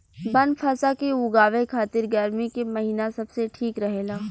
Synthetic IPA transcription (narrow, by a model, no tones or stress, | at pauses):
bɐnpʰaːsakeʊɡaːʋekʰaːt̪ɪɾɡɛːɾmikemɐɦiːnasɐbseʈʰiːkɾɐɦeːlaː